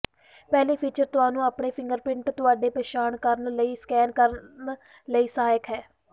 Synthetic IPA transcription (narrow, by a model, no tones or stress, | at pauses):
pɛːliːpʰiːt͡ʃəɾt̪ʊaːnũːaːpɳeːpʰɪ̃ŋɡəɾpɪɳʈt̪ʊaːɖeːpeːʃaːɳkəɾənləiːskɛːnkəɾən | ləiːsaːjəkɦɛː